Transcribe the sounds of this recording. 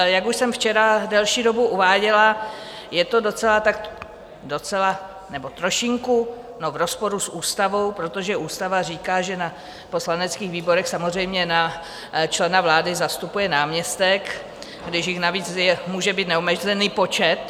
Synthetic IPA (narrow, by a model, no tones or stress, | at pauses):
jakuʃsɛmft͡ʃɛɾadɛlʃiːdo̞buʔuvaːɟɛla | jɛt̪o̞do̞t͡sɛlat̪ak | do̞t͡sɛla | nɛbo̞t̪ɾo̞ʃɪŋku | novɾo̞spo̞ɾusʔuːst̪avo̞wpɾo̞t̪o̞ʒɛʔuːst̪avariːkaːʒɛna | po̞slanɛt͡skiːɣviːbo̞ɾɛxsamozr̝ɛjmɲɛna | t͡ʃlɛnavlaːdɪzast̪upujɛnaːmɲɛst̪ɛk | ɡdɪʃjɪxnaviːt͡sjɛmuːʒɛbiːt̪nɛomɛʒzɛniːpo̞t͡ʃɛt̪